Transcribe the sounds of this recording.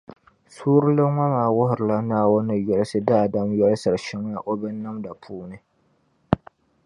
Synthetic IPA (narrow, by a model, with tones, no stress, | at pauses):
suː˦ɾɨ˦lɨ˦ŋʷa˦maː˨wʊ˦ɦʊ˨ɾɨ˨la˦naː˦˨wʊ˦nɨ˨jɛ˨˦lɨ˦sɨ˦daː˦˨da˦mjɛ˦lɨ˦sɨ˨ɾɨ˨ʃɪ˦ŋ˦ja˦ʔo˦bɨ˦nːa˦mda˨pʰuː˦nɨ˨